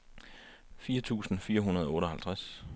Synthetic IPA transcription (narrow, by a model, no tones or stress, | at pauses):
fiːɐt͡sʰṵːsn̩fiːɐɦunɐð̞ˠɔ̽ːɾɒ̽ɦhælt͡sʰʁas